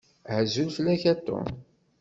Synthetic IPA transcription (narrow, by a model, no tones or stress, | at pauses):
hzulfəlːæçæt̪ːʊ̰